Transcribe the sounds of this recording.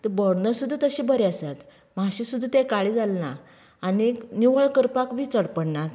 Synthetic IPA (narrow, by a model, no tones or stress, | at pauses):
t̪əbəɽnəsud̪ʱːat̪əɕibəɾeəsat̪ | maɕisud̪ʱːat̪ẽkaɭid͡zalnaː | niniʋəɭkəɾpakʋit͡səɽpəɽɳat̪